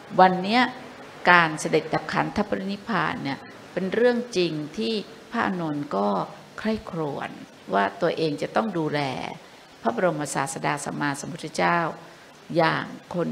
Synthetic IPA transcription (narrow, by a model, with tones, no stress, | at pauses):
wa˧nːi˦˥ɐ | kaː˧nsa˧de˨˩t̪̚da˨˩p̚kʰa˦˥nt̪ʰa˦˥˩pːa˧ɾi˦˥ni˦˥pʰa̰ː˧nːi˥˩ɐ | pe˧nɾɯ˥˩əŋt͡ɕi˧ŋt̪ʰiː˥˩ | pʰaː˥˩ʔa˧noː˧nkɔː˥˩ | kʰɾa˥˩jkʰɾṵ˨˩ən | waː˥˩t̪u˧ɐʔeː˧ŋt͡ɕa˨˩t̪ɔ˥˩ŋduː˧lɛ̰ː˧ | pʰaː˦˥˩ba˧ɾo˧mpa˧sa̰ː˨˩t̪̚sa˧daː˧sa̰˧˦maː˧so˨˦mpʰt̪ʰa˧˥˩t͡ɕaː˥˩w | ja̰ː˨˩ŋkʰo˧n